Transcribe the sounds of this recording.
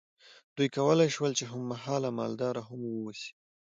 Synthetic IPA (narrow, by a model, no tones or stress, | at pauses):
d̪̥ujkawəlajʃwəlt͡ʃeɦamːaɦɑlamɑ̰ld̪ɑɾaɦamwəwasi̥